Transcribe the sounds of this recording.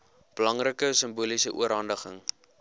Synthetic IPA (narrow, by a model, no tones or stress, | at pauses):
b̥əlɐŋrəkəsəmbulisəʔuəɾɦɐndəχəŋ